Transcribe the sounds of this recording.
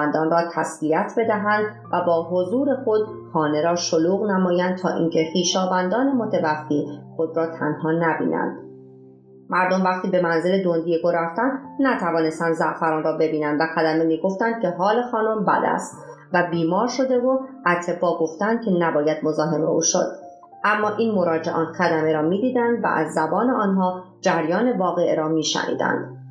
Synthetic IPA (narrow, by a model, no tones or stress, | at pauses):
nd̪ɒːnrɒːt̪ʰæsviæt̪ʰbe̞d̪æɦænd̪ | væbɒːɦozuːɾe̞xo̞d̪̥̚hɒːne̞ɾɒːʃo̞luːɣnæmɒːjænd̪̚t̪ʰɒ̰ːʔḭŋcʰe̞χiːʃɒːvænd̪ɒːne̞mot̪ʰevæfixo̞d̪ɾɒːt̪ʰæ̰nhɒːnæbḭːnʔæ̰nd̪̥ | mæɾd̪o̞mvæχt̪iːbe̞mænzeled̪ond̪ijeɡoɾæft̪ænd̪næt̪ʰævɒːne̞st̪ænd̪zæʔfæɾɒːnrɒːbe̞biːnænd̪væxæd̪æme̞miːɡo̞ft̪ænd̪̥̚cʰe̞ɦɒːle̞xɒːno̞mbæ̰d̪æ̰st̪ | væbiːmɒːɾʃo̞d̪e̞voʔæt̪ʰe̞bɒːɡo̞ft̪ænd̪̥̚kcʰe̞næbɒːjæd̪̥̚mo̞zɒːɦe̞mḛṵːʃo̞̰d̪̥ | ʔæmːɒːʔiːnmo̞ɾɒːd͡ʒeʔɒːnxæd̪æme̞ɾɒːmiːd̪iːd̪ænd̪væ̰ʔæ̰zːæbɒːneʔɒːnɦɒː | d͡ʒæɾjɒːne̞vɒːɣe̞ʔeɾɒːmiːʃæ̰nʔḭːd̪æ̰nd̪̥